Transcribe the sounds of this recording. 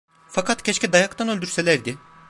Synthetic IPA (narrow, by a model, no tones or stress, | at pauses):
fakʰat̪cʰɛt͡ʃcɛd̪ajakt̪ʰanø̞lʲd̪yɾse̞lʲæɾd̪ɪ